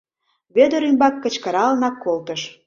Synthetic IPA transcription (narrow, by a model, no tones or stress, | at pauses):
βød̪əɾymbɑkːə̆t͡ɕkəɾɑlnɑkːolt̪əʃ